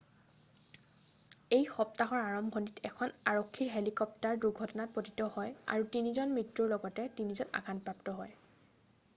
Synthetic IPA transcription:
ejxɔptaɦɔɹaɹɔmɡʱonitɛkʰɔnaɹokʰːiɹɦelikɔp̚taɹduɹɡʱɔtɔnat̚potitɔhɔja̰ɹutinizɔnmɹitɹuɹlɔɡɔtɛtinizɔna̰ɡʰanpɹaptɔɦɔj

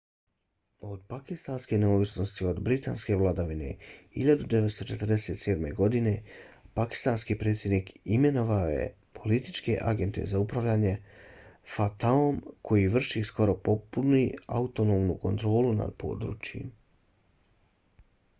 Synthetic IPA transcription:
od̪pakist̪anskeneoːʋisno̞st̪io̞d̪bɾit̪a̰ːnske̞ʋlˠad̪aʋine̞̰hiʎad̪ud̪eʋest̪o̞t͡ʃe̞t̪r̩d̪ese̞ːt̪se̞ːd̪me̞ɡo̞d̪ine̞paki̥st̪anskipɾet̪sʲje̞d̪niːkime̞no̞ʋaojḛ | pʰo̞lit̪it͡ʃke̞̰ʔaɡe̞nt̪e̞̰zaupɾaʋʎaːɲe̞ | fat̪aomkʰo̞jiʋr̩ʃisko̞ɾo̞po̞punia̰ut̪onoːmnuko̞nt̪ɾo̞ːluna̰d̪pʰo̞̰ːd̪ɾṵːt͡ɕjḭm

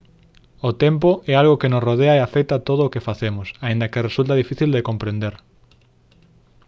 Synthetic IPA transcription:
ot̪emp̬oʔɛalɣokenʊsroð̞eaeaθɛjt̪at̪oð̞oːkefaθemʊsaĩnd̪ɐkeresult̪aðifiθild̪ekompɾend̪eɾ

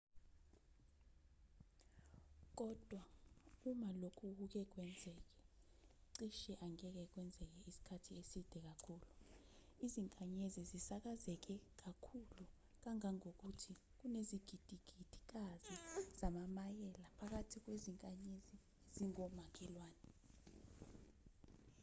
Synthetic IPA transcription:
k̬ɔd̥ʱwaumalokʰuuk̬ɛk̬wɛnd͡zʱɛːk̬ɛ | ǀiʃɛʔaŋɛk̬ɛk̬wɛnd͡zʱɛk̬ɛisi̥kʰatʰiesid̥ʱɛk̬akʰuːluiziŋkʼaɲezizisak̬azɛk̬ɛk̬akʰulu | k̬aŋaŋok̬utʰi | k̬uneziɡ̥ʱid̥ʱiɡ̥ʱid̥ʱi̥k̬aziz̥amamajɛlapʰak̬atʰik̬weziŋkʼaɲezi | ziŋɔmak̬ʰʼɛlwaːnɛ

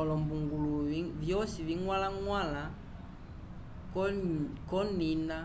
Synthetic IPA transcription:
ɔlɔmbuŋɡuluvjɔsiviŋwalaŋwala | kkɔnina

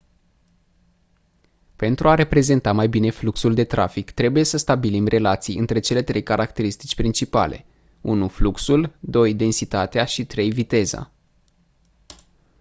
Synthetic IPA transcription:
pe̞nt̪ɾuaɾe̞pɾe̞ze̞nt̪amajbine̞fluksuld̪e̞t̪ɾa̰fikt̪ɾe̞buje̞səst̪abilimrʔe̞lat̪sijɨnt̪ɾe̞t͡ʃe̞le̞t̪ɾe̞jkaɾʔakt̪e̞ɾist̪it͡ʃʲpɾint͡ʃipa̰lʔe̞̰ | unufluksuld̪o̞jd̪e̞nsit̪at̪eaʃit̪ɾe̞jvit̪e̞za̰

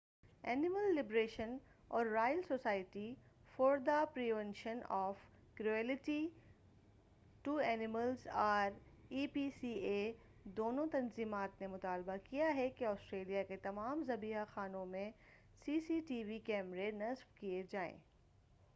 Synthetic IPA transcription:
ɛːnɪməlːɪbɾeːʃən | ɔːɾːaːjəlsoːsaːɪʈi | fɔːɾd̪apɾiːʋɛ̃nʃənɔːf | kɾuɛːlɪʈi | ʈuɛːnɪməlzaːɾiːpiːsie | d̪oːnõt̪ɐnziːmaːt̪nemʊt̪aːlbakijaɦɛkeɔːsʈɾeːlijaket̪ɐmaːmzɐbiːɦaxaːnõmẽ | siːsiʈiːʋikɛːmɾenɐzbkied͡ʒaːḛ̃ː

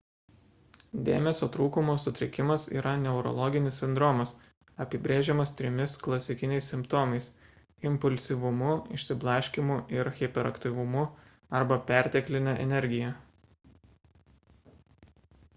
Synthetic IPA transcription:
d̪ʲeːmʲɛsʲoːt̪ɾuːkʊmoːsʊt̪ʲɾʲɪkʲɪmɐsḭːɾʔɐnʲɛʊɾɔ̰lˠɔɡʲɪnʲɪsːʲɪnd̪ɾɔmɐs | ɐpʲɪbʲɾʲeːʒʲɛmɐst̪ʲɾʲɪmʲɪsklˠɐsʲɪkʲɪnʲɛɪsʲsʲɪmpt̪oːmɐɪs | ɪmpʊlʲsʲiʋʊmʊɪ̰ʃʲsʲɪblˠɑʃʲkʲɪmʊɪɾɣʲɛpʲɛɾɐkt̪ʲiˑʋʊmʊ | ɐɾbɐpʲæˑɾʲt̪ʲɛklʲɪnʲɛʔɛ̰nʲɛɾʲɡʲɪjɛ

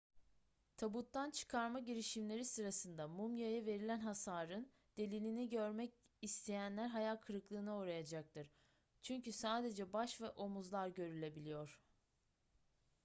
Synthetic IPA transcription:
t̪ʰabut̪ːant͡ʃʰɯ̥kʰaɾmaɟiɾiʃimlʲe̞ɾisɯɾasɯnd̪amumjajɯve̞ɾilʲænɦasaːɾɯn | d̪̥e̞lʲilʲiniɟøɾmɛc | ist̪ʰe̞jænlʲæɾɦajalʲkʰɯɾɯklˠɯːnɯoːɾajad͡ʒak̚t̪ɯɾ̥ | t͡ʃʰyɲcʰysaːd̪e̞d͡ʒɛbaʃvɛʔo̞muzlˠaɾɟø̞ɾylʲe̞bilʲijo̞ɾ̥

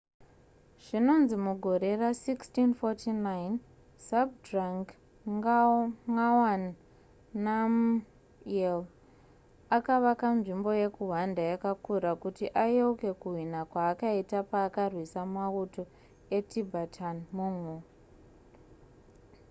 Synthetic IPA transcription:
ʐ̥ino̞nzimuɡʱo̞ɾe̞rasikstinfotʰinain | sab̚draŋɡ | ŋawanː | am | el | akaʋakanʐimbo̞je̞kuɦwandajakakuɾakutiʔajeuke̞kuɦinakwaːkaitapaːkarwisamauto̞ | e̞tʰibʱatʰanmumwo

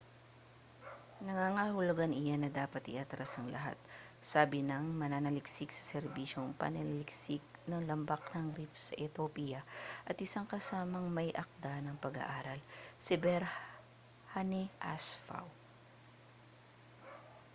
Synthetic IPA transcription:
nɐŋaŋahʊlʊɡanɪjanɐd̪aːpɐt̪ɪ̰ʔat̪ɾasɐŋlɐɦa̰t̪̚ | saːbɪnɐŋmɐnaːnɐlɪksɪɡsɐ̥sɛɾbiːʃoŋpɐ̰nɐlɐlɪksɪɡ̚nɐŋlɐmbak̚nɐŋɾip̚sɐʔɛt̪opijɐʔɐt̪ʔɪsaŋkɐsaːmɐŋmɐjʔɐk̚d̪anɐŋpɐɡɐ̰ʔaːɾɐlsɪbɛɾ | hanɛʔasfa̰w

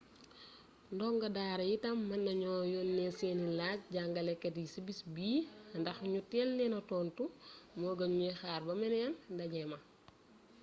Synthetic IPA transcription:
ndɔŋɡɐdaːɾɐjitɐmːɐnːɐɲɔːjɔnːɛseːnilac̚ɟaŋɡɐlɛkːetjisibisbiːndɐxɲutɛlnɛnɐtɔːntumoːɡɐɲujɛxaːɾbɐmɛnɛjɐndɐɲɛmɐ

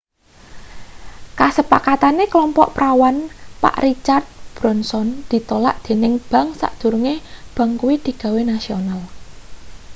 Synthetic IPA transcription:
kasəpakat̪aneklɔmpɔʔpɾawanpa̰ʔrit͡ʃart̪̚b̥ɾɔnsɔnd̪̥i̤t̪ola̰ʔd̪̥e̤nɪŋb̥a̤ŋsa̰ʔd̪̥ṳɾuŋeb̥a̤ŋkuwid̪̥i̤ɡ̥a̤wenasional

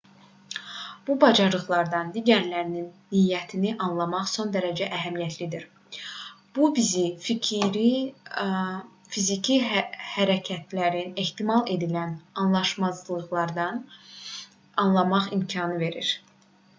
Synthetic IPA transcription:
b̥ubɑd͡ʒɑɾɯʁlˠɑɾd̪ɑnd̪iɟæɾlæɾininːijːæt̪ʰiniʔɑnlˠɑmɑχso̞nd̪æɾæd͡ʒæʔæɦæmijæt̪ʰlid̪iɾ | b̥ubizificʰiɾi | fizicʰihæɾæcʰæt̪ʰlæɾine̞ht̪imɑlˠe̞d̪ilænɑnlˠɑʃmɑzlˠɯʁlˠɑɾd̪ɑn | ɑnlˠɑmɑχimcʰɑnɯve̞ɾḭɾ

